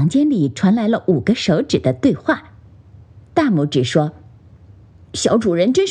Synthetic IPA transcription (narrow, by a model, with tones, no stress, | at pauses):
ŋt͡ɕjɛ˥nli˨˩ʈ͡ʂʰwa˧˥nla˧˥ɪlə˧ʔu˨˩ɡə˦ʂo˧˥ʊʈ͡ʂɻ̩˨˩d̪ə˦t̪we˥˧ɪxwa˥˩ | t̪a˥˧mu˧˥ʈ͡ʂɻ̩˨˩ʂwɔ˥ | ɕjɑ˧˥ʊʈ͡ʂu˨˩ɻə˧˥nʈ͡ʂə˥n